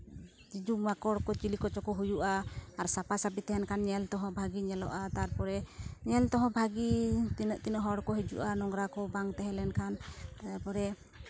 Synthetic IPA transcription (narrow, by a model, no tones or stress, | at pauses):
d͡ʒid͡ʒumakɔɽkɔt͡ʃilikɔt͡ʃɔkɔɦujuʔaːɾsapasapit̪ɛɦɛnkʰanɲɛlt̪ɔɦɔ̃bʱaɡiɲɛlɔ̰ʔat̪aɾpɔɾɛɲɛlt̪ɔɦɔ̃bʱaɡit̪inəʔt̪inɔɦɔɽkɔɦid͡ʒṵʔanɔŋɡɾakɔbaŋt̪ɛɦɛ̃lɛnkʰanaɾpɔɾɛ